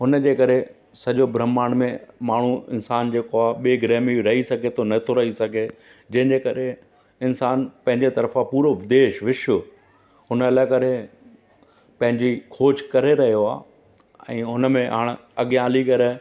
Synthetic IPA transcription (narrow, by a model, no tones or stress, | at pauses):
ɦʊnəd͡ʑeːkɐɾe | sɐʄobɾəmːaːɽ̃mẽmaːɳ̤uɪ̰nsaːnd͡ʑeːkoaːɓeːɡɾɛːmiɾɐɦisɐɡʱet̪ʰonɐt̪ʰoɾɐɦisɐɡʱed͡ʑɐ̃ɦɪ̃ɲd͡ʑekɐɾe | ɪnsaːnpɐ̃ɦɪ̃ɲd͡ʑet̪ɐɾəfapuːɾoʋɪd̪eːʃʋɪʃʊ | ɦʊnəɐlaːɪkɐɾe | pɐ̃ɦɪ̃ɲd͡ʑikʰoːt͡ɕkɐɾeɾɐɦijoaː | ɛ̰̃ːɦʊnəmẽɦaːɽ̃ɐɠijãːlikɐɾe